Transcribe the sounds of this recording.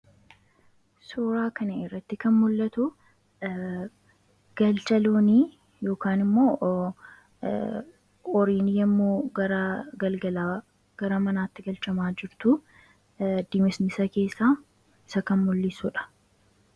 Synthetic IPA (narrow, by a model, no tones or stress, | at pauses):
suːɾaːkɐnɐɪrːɐt̪ːɪkɐnmʊlːɐt̪ʊ | ɡ̥ɐlt͡ʃɐloːniː | jo̞ːkaːnɪmːo̞ː | ɔɾiːnɪjɛmːoːɡɐɾɐɡɐlɡɐlaː | ɡ̥ɐɾɐmɐnaːt̪ːɪɡɐlt͡ʃɐmaːd͡ʒɪɾt̪ʊ | d̪̥ɪmɪsnɪsɐke̞ːsːaː | ɪsɐkɐnmʊlːɪsʊᶑɐ̥